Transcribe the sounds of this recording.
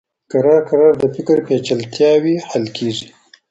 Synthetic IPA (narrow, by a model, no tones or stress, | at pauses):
kaɾɑɾkaɾɑɾd̪əfɪkɾpet͡ʃalt̪jɑwihalkʰeːʐi